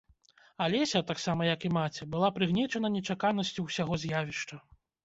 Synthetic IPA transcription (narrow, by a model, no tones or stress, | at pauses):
alʲɛsʲɐt̪aksamɐjɐkimat͡sʲɛbɨlˠapɾɨɣnʲɛt͡ʂɐnɐnʲɛt͡ʂakanɐsʲt͡sʲuwsʲaɣɔzʲjavʲiʂt͡ʂɐ